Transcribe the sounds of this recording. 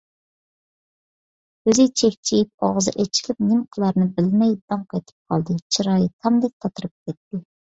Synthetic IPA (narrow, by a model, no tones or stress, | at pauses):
øzɪt͡ʃʰɛkʲt͡ʃʰijip̚ɑʁəzɨ̰ʔɛt͡ʃʰi̥lʲɪp̚nɪmqʰəlˠɑɾnɨbɪlmɛjd̪̥ɑŋqʰɑjt̪ʰɨ̥p̚qʰɑlˠd̪ɨt͡ʃʰiɾɑːjit̪ʰɑmd̪ɛk̚ʲt̪ʰɑt̪ʰɨɾɨp̚kʲɛt̪ːɪ